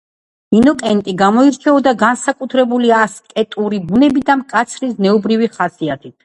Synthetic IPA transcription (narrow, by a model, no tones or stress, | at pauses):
minɔkʼɛnt̪ʼiɡamɔiɾt͡ʃʰɛɔd̪aɡansakʼut̪ʰɾɛbuliaskʼɛt̪ʼuɾibunɛbid̪amkʼat̪sʰɾisnɛubɾiviχasiat̪ʰit̪ʰ